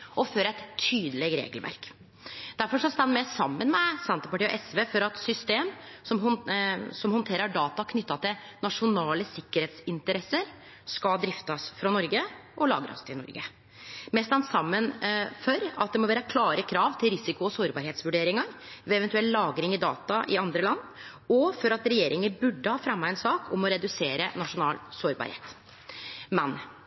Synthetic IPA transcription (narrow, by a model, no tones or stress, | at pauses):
ʔɔføːɾæɛt̪ʰːyːd̪əlɛɡɾḛːɡəlʋæ̰ɾk | d̪̥æɾfɔʂɑst̪ɑnmɛsɑmːənmɛsɛnt̪əpɑʈiːɔ̰ʔɛsʋeːfɔɾɑt̪sʏst̪eːmsɔm | sɔmhɔnt̪ʰeːɾəɖɑːt̪ɑkʰnʏt̪ːɑt̪ʰɪl | nɑʂʊnɑːləsɪkːəɾheːt̪sɪnt̪əɾɛsəɾ | skɑd̪ɾɪft̪ɑsfɾɑnɔɾɡəʔɔlɑ̰ːɡɾɑ̰st̪ʰɪlnɔ̰ɾɡə̰ | mɛːst̪ɑnsɑmːənfɔɾɑt̪̚d̪ɛmɔʋæːɾəkʰlɑːɾəkʰɾɑːʋt̪ʰɪlɾɪsɪkʊɔsoːɾbɑɾheːt̪sʋʉɖeːɾɪŋɑɾʋɛɛʋɛnt̪ʉɛlːlːɑːɡɾɪŋɪd̪ɑ̰ːt̪ɑʔɪɑnd̪ɾəlɑnː | ɔfɔɾɑt̪ɾɛjeːɾʔɪŋəbʉɖːəhɑːfɾɑmːɑɛnsɑːkʰɔmɔɾɛd̪ʉseːɾənɑʂʊnɑːlsoːɾbɑ̰ːɾhḛːt̪ | mɛn